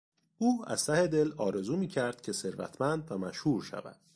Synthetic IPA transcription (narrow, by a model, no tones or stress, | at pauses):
ʔuːæ̰z̥t̪ʰæhe̞d̪e̞lɒːɾe̞zuːmiːcʰæɾd̪̥cʰe̞se̞ɾvæ̰t̪ʰmænd̪væmæʃhuːɾʃæ̰væ̰d̪̥